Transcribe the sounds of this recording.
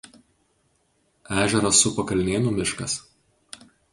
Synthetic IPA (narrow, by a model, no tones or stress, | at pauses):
æːʒʲɛɾɐsːʊpɐkɐlʲnʲeːnuːmʲɪʃkɐs